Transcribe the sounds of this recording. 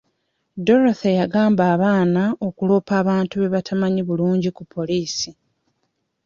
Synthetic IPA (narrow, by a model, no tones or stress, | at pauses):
do̞ɾoθejaɡaːmbaːβaːnao̞kulo̞ːpaːβaːntuβe̞βatʰamaɲiβuluːɲɟikupʰːo̞liːsi